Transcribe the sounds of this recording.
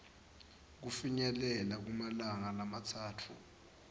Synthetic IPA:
k̬ufiɲɛlɛlak̬umalaŋalamatʰaːtʰu

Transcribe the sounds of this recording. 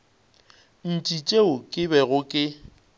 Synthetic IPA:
n̩t͡ʃʼit͡ʃʼeʊkʼɪbɛɣʊkʼɪ

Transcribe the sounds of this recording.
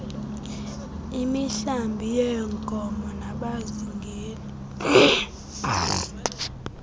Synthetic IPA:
imiɬambʱijɛŋkʼɔmɔnaɓaziŋɡʱeːli

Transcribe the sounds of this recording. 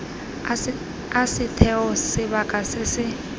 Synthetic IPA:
asɪtʰɛɔsɪβakʼasɪsɪ

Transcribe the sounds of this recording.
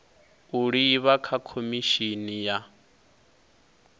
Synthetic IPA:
uɺiːβakʰakʰomiʃinija

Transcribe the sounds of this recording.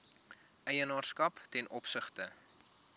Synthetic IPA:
ɛjənɑːrskɐptɛnʔɔpsəχtə

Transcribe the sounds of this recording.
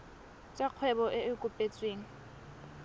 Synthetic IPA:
t͡ʃʼaq͡χʰwɛbɔʔɪɪkʼʊpʼet͡sʼweːŋ̩

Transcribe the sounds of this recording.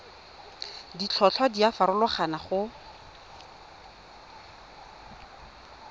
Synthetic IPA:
dit͡ɬʰɔt͡ɬʰwadiafaɾʊlɔχanaχʊ

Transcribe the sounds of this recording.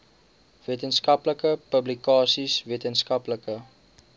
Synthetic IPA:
veətənskɐpləkəpəblikɑːsisviətənskɐpləkə

